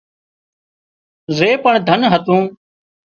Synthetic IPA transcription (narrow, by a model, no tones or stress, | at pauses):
zeːpəɳd̪ʱənɦət̪ũː